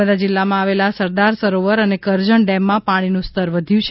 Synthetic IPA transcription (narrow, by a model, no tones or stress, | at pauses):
əd̪ad͡ʒɪlːamãaʋelasəɾd̪aɾsəɾoʋəɾənekəɾd͡ʒəɳɖɛmːãpaɽ̃inũst̪əɾʋəd̪ʱjũt͡ʃʰ